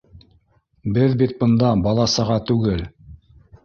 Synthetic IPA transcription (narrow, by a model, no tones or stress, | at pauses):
bɘðbit̪̚bɤ̆nd̪ɑbɑlˠɑsɤ̆ʁɑt̪ʉɡɘl